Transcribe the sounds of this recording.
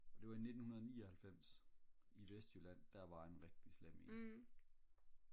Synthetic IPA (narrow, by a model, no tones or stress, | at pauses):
ɒ̽d̥e̝ʋɑ̈ine̝d̥n̩hunɐð̞ˠniːɒhælfem̰siʋesd̥jølæn̰d̥æɐʋɑ̈enʁeɡ̥̚d̥isleme